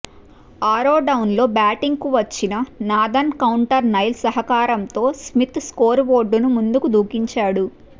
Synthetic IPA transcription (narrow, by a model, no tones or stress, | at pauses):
aːɾoːɖɐwnlo̞ːbaːʈiŋɡkuʋɐt͡ʃːinɐnaːd̪ɐnkɐwuɳʈɐɾnɐjlsɐɦɐkaːɾɐmt̪o̞ːsmit̪skoːɾʋoːɖːunumund̪ukud̪ʱuːkiɲt͡ʃaːɽu